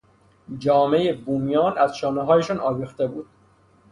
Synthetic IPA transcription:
d͡ʒɒːme̞jebuːmijɒːnæzʃɒːneɦɒːjeʃɒːnʔɒːviːxt̪e̞buːd̪̥̚

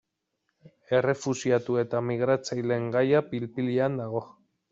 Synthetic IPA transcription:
e̞re̞fusiat̪ue̞t̪amiɣ̞ɾat͡sajle̞ŋɡajapilpiliand̪aɣo̞

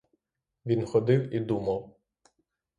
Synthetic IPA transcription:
ʋʲinxɔd̪ɪwid̪umɐw

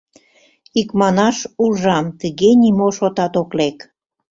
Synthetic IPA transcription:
ikmɑnɑʃuʒɑmt̪əɣenimoʃot̪ɑt̪oklek

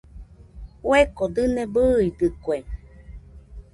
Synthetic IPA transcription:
wekod̪ɨnẽbɨːid̪ɨkwe

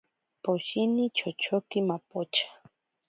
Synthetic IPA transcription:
poʃinit͡ʃot͡ʃokɪmapot͡ʃḁ

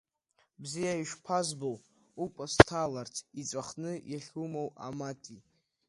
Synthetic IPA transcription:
bzijaiʃᶣpʰazbow | ukʷʼastʰalartʰit͡sʷʼaχnɨjaχʲumowa̰matʼi

